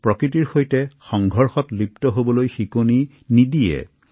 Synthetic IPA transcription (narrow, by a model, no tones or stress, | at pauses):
pɹɔkɹitiɹxojtɛxɔŋɡʱɔɹxɔtliptɔɦobɔlojxikoni | nidijɛ̰